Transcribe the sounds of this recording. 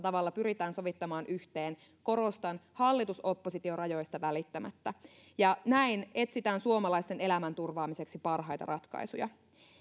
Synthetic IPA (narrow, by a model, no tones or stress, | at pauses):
t̪ɑʋɑlːɑpyɾit̪æːnso̞ʋit̪ːɑmɑːnʔyçt̪e̞ːn | ko̞ɾo̞st̪ɑnhɑlːit̪uso̞pːosit̪iorɑjo̞jst̪ɑʋælit̪ːæmæ̰t̪ːæ | jɑnæine̞t̪sit̪æːnsuo̞mɑlɑist̪e̞ne̞læmænt̪urʋɑːmise̞ksipɑrɦɑjt̪ɑ̰ɾʔɑt̪kɑ̰jsṵjɑ̰